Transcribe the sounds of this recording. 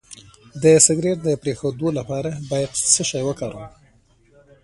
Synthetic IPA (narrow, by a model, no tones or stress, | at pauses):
d̪əsɪɡɾeɾd̪əpɾexod̪olapɑɾabɑjad̪səʃɑjwəkɑɾum